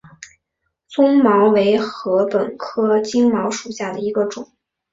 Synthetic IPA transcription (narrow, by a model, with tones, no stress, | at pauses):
t͡sʊ˥ŋmɑ˧˥ʊwe˧˥ɪxɤ˧˥pə˨˩nkʰɤ˥t͡ɕi˥ŋmɑ˧˥ʊʂu˨˩ɕja˥˩d̪ə˩i˧˥ɡə˧ʈ͡ʂʊ˨˩˦ŋ